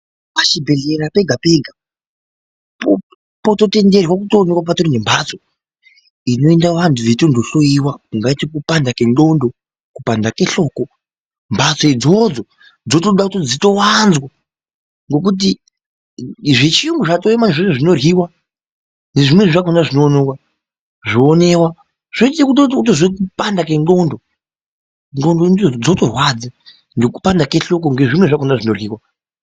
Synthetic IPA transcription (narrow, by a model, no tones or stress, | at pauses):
pat͡ʃibʱe̞ɮe̞ɾape̞ɡʱape̞ɡʱa | p | poto̞te̞nde̞rwak̬utoːnekwap̬atoɾinembʱat͡so | ino̞endaʋantʰuʋetondoɬo̞iwauŋɡaitikupandakendo̞ndo | kupandake̞ɬo̞ːko | mbʱat͡soid͡zo̞d͡zo | d͡zotoɗakutod͡zito̞wanzwa | ŋɡo̞k̬ut̬i | ʐet͡ʃiuŋɡuʐatoemaneʐoneʐino̞rɣiwa | ŋe̞ʐimweʐʐakonaʐinoːnowa | ʐoːne̞wa | ʐ̥oekutot̬ozekupandak̬e̞ŋɡo̞ndo | ŋondondid͡zd͡zotorwad͡za | ndeku̥pandakeɬo̞k̬oŋɡe̞ʐimweʐakonaʐino̞rɣiːwa